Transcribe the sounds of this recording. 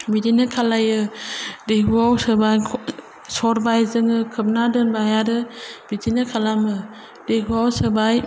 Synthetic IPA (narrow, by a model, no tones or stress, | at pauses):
bidinɯkʰalajɯdeɡuawsɯbajʰ | sɔɾbajzɯŋɯkʰɯp̚nadɯnbajaɾɯb̥idinɯkʰalamɯ | deɡuawsɯbaj